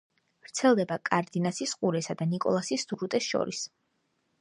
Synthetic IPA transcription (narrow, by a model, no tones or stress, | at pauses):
v̥ɾt̪sʰɛlˠd̪ɛbakʼaɾd̪inasisqʼuɾɛsad̪anikʼɔ̰lˠasisd̪uɾut̪ʼɛsʃɔ̰ɾis